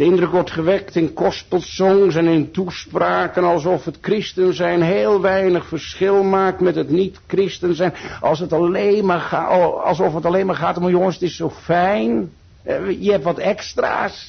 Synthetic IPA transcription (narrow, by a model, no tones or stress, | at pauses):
dəɪndrɵkʋɔɹtχəʋɛktɪnkɔst̚pəlˠsɔŋsɛnɪntuspraːkənɑlˠsɔfɦətkrɪstənzɛjnɦeːlˠʋɛjnəχfərsχɪlˠmaːk̚tmɛtɦətnitkrɪstənzɛjnʔɑ̰lˠsətɑlejnmaːrχaɑ̰lˠsɔfətɑlejnmaːɹχaːtɔmjɔŋənsətɪsːowfɛjn | jəɦɛp̚tʋɑtɛkstra̰ːs